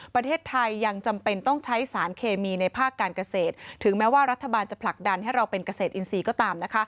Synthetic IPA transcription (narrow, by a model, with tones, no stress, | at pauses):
pɾa˧t̪ʰeː˥˩t̪ʰːa˧jːa˧ŋt͡ɕa˧mpe˧nt̪ɔ˥˩ŋt͡ɕʰa˦˥jsaː˩˦nkʰeː˧miː˧na˧jpʰaː˥˩kːaː˧nka˧seː˨˩t̪̚ʰːɯ˩˦ŋmɛː˦˥waː˥˩ɾt̪ʰːa˧baː˧nt͡ɕa˨˩pʰla˨˩k̚da˧nhɦa˥˩jɾa˧wpe˧nka˧seː˨˩t̪̚ʔi˧nsiː˧kɔː˥˩t̪aː˧mna˦˥kʰa˦˥